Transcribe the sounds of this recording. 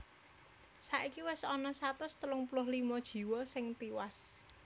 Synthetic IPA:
saʔikiwɪsɔnɔsat̪ʊst̪əlʊŋpulʊhlimɔd̥ʒ̥i̤wɔsɪŋt̪iwas

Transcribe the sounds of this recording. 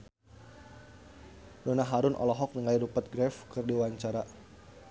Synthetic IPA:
donaɦaɾʊnʔɔ̰lɔɦɔk̚nəŋaiɾupət̪̚ɡɾɛfkɨrdiwaɲt͡ʃaɾa

